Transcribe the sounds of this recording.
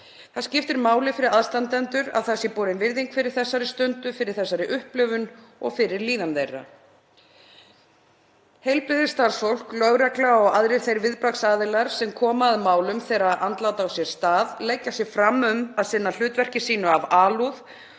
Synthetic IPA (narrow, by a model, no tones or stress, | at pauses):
θaðscɪft̪ɪɾmaːwlɪfɪɾɪɾaðst̪ant̪ɛnt̪ʏɾa̰ðθasjɛpɔːɾɪnvɪɾðiŋkfɪɾɪɾ̥θɛsːaɾɪst̪ʏnt̪ʏfɪɾɪɾ̥θɛsːaɾɪʔʏhplœvʏn | ɔ̰ɣfɪɾɪɾliːðanðejrːa̰ | hejlpɾɪðɪ̥st̪aɾsfowl̥klœɣɾɛklaɔɣaðɾɪɾ̥θejɾvɪðpɾaksaːðɪlaɾ̥sɛmkʰɔːmaːðmaːwlʏmθɛjɾaðʔant̪laːwt̪aːwsjɛɾ̥st̪aːðlɛjcːasjɛɣfɾamːʏmaðsɪnːal̥ʏːt̪vɛr̥cɪsiːnʏavaːluð